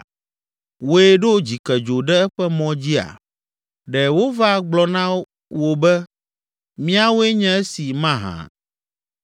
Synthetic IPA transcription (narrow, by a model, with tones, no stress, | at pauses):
wo˦e˦ɖo˦d͡ʑi˨kɛ˨d͡ʒo˨ɖɛ˦ɛ˦ɸɛ˦mɔ̃˦d͡ʑi˦a̰˨ | ɖɛ˨wo˦va˦ɡ͡blɔ˨nã˦ | wo˨bɛ˦ | mĩ˦a˦wo˦e˦ɲɛ̃˦ɛ˦si˨mã˦ɦã̰˨